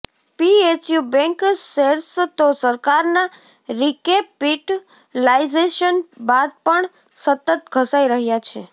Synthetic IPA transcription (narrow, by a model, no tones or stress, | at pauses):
piet͡ʃjubɛ̃ŋkseɾst̪osəɾkaɾna | ɾikepːiʈ | laizeʃənbad̪̚pəɳ | sət̪ət̪̚ɡʱəsaiɾəɦjat͡ʃʰe